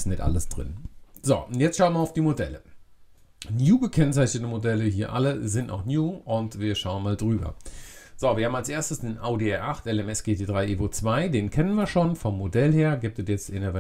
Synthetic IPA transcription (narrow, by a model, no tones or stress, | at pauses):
stnɛtʔa̰ləsd̥ʁɪ̰nzo̰ːʊntjɛt͡stʃaʊənmɐaʊfd̥iːmodɛlə̰ | njuːɡəkʰɛnt͡saɪçnətəmodɛləɦiːɐʔa̰ləzɪnta̰ʊxnjuːʔʊntv̥iːɐʃaʊənmaːldʁyːbɐ̰z̥oviːɐhaːmalsʔeːɐstəsd̥eːnʔaʊdeɛʔaχtʔɛlɛmɛsɡ̥eːtʰeːdʁaɪʔeːʔoːt͡sv̥aɪdeːnkʰɛnənviːɐʃoːnfɔmːodɛlheːɐɡɪːp̚tɛdjɛt͡stʔɪnəvɛ